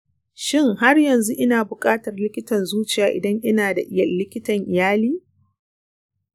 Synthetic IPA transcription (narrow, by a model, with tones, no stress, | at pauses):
ʃɪ˦ŋha˦rjɐ˨nzu˦ʔɪ˦naː˨bʊ˨kʼaː˦tɐ˨rlɪ˦kʲɪ˦tɐ˨nzuː˦t͡ʃɪ˨jaː˨ʔɪ̰˨dɐ˦ŋʔɪ˦naː˨da˨ʔɪ˦jɐ˦˨rlɪ˦kʲɪ˦tɐ˨ŋʔɪ˨jaː˦liː˦